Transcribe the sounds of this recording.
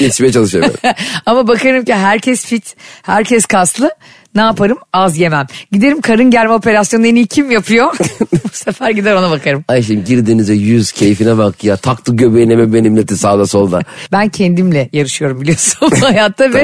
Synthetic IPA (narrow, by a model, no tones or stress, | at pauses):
it͡ʃmejɛt͡ʃʰalˠɯʃɯa̰amabakaɾɯmciɦæɾcʰɛsfit̪hæɾcʰɛskʰast̪lˠɯ | naːpʰaɾɯmazje̞mæmɟid̪e̞ɾimkʰaɾɯnɟæɾʲmɛo̞pʰe̞ɾasjo̞nenijcʰimjapʰɯjo̞busefæɾɟid̪æɾo̞nabakʰaɾɯmajʃ̬imɟiɾd̪inizɛjyz̥cʰejifinɛbakjat̪ʰak̚t̪ɯɟøbejnʲemɛbenimlʲet̪isaːd̪asolˠd̪a̰bæncʰend̪imlʲɛjaɾɯʃɯjo̞ɾumbilʲijo̞sunajat̪ʰːavɛ